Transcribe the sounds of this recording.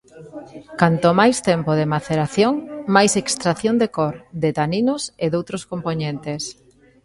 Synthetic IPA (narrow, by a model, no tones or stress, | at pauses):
kant̪omajst̪empoðemaθeɾaθjoŋmajsekst̪ɾaθjond̪ekoɾd̪et̪aninoseðowt̪ɾoskompoɲẽnt̪es